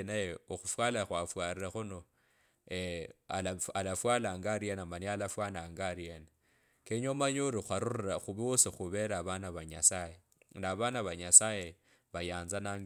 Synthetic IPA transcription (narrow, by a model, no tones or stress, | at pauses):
najeoxufwalaxwafwaɾiɾaxuno | ealalafwalaːŋɡaɾienamanialafwanaːŋɡaɾiena | keɲomaɲuɾixwaɾuriraxuβiosixuβeɾaβanaβaɲasaje | naβanaβaɲasaːje | βajaːnzanaŋɡ